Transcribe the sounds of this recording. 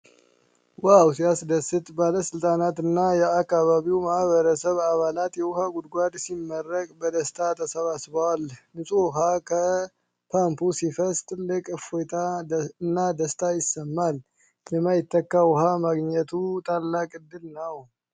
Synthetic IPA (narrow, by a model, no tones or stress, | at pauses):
wawsiasd̪əsɨt̪ʼbaləsɨlt̪ʼanat̪ɨnːajɛakːaβaβiwmahβəɾəsəβaβalat̪jɛwʊhaɡud̪ɡʷad̪simːərːəkʼbəd̪əst̪ʰʼat̪ʰəsəβasbəwalnɨsʼuwʊɦakʰə | pʰampusifəst̪ʼllɨkʼɨfot̪ʰaɨnːad̪əst̪ʼʰajɪsːəmːal | jɛmajɪt̪ʰːəkːawʊɦamaɡɲɛt̪ʰut̪ʼʰalːakʼɨd̪ːɨlnəw